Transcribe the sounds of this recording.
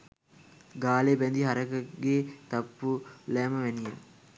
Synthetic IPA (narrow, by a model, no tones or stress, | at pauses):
ɡaːlepɛnd̪iɦaɾəkəɡeːt̪apːulæːməʋɛnije